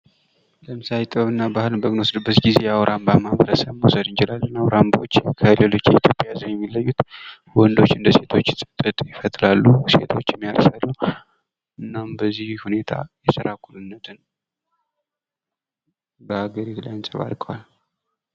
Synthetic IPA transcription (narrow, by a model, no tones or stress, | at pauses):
ləmsajt̪ʼəβɨnːabahɨlbəɡnwosɨd̪ɨbːət̪ɡize̞jawɾʔambamaβəɾəsəβmusəd̪ɨnt͡ʃɪlalːənawɾambot͡ʃːkʰəlelo̞t͡ʃːjɛit̪ʰjo̞pʼjazənjɛmːilːəjːut̪ | wɔnd̪o̞t͡ʃːɨnd̪əse̞t̪ʰo̞t͡ʃːsʼɨt̪ʼɨt̪ʼjɪfət̪ʼlalːuse̞̰t̪ʰo̞t͡ʃːjɛmːijaɾəsalːə | ʔɨnːambəzːihhune̞t̪ʰa̰jɛsəɾakʰulɨnːət̪ʰɨn | bəaɡəɾit̪lajansʼəβa̰lkʼəwal